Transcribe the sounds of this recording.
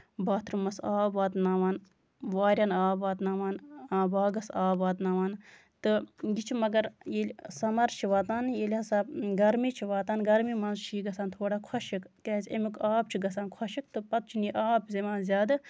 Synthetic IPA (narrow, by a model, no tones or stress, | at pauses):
baːt̪ɾɨmɐsaːbʋaːt̪naːʋaːn | ʋaːɾʲɐnaːbaːt̪naːʋaːnaːbaːɡɐsaːbaːt̪naːʋaːn | t̪ɨɡit͡ʃʰimɐɡɐɾjeːlʲsɐmɐɾt͡ʃʰiʋaːt̪aːnjeːlʲhɐsaːbɡɐɾmit͡ʃʰiʋaːt̪aːnɡɐɾmimɐnzt͡ʃʰiːɡɐsaːnt̪ʰoːɽaːkʰɐʃikkeːzʲḛmikaːb̚t͡ʃʰiɡɐsaːnkʰɐʃik̚t̪ɨpɐt̪̚t͡ʃʰiniʔaːbzʲemaːnzʲaːd̪ɨ